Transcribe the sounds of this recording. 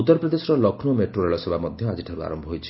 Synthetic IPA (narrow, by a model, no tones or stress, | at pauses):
ut̪ːɔɾɔpɾɔd̪esɔɾɔlɔkʰnomeʈɾoɾeɭɔsebʱamɔd̪ʱjɔad͡ʒiʈʰaɾua̰ɾɔmbʱɔɦojt͡ʃʰi̥